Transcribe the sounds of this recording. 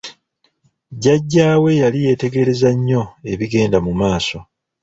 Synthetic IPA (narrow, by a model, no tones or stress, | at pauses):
ɟaɟːaːwe̞jalije̞ːte̞ɡe̞ɾe̞zaɲːo̞e̞βiɡe̞ːndamumaːso̞